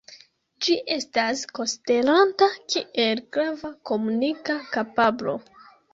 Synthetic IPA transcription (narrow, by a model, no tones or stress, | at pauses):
d͡ʒiʔe̞stasko̞stelantakʰiʔe̞lɡɾavako̞munikakapablo̞̰